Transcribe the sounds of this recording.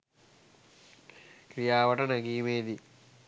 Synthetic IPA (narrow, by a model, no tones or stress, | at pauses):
kɾijaːʋɐʈɐnɐɡiːmeːd̪i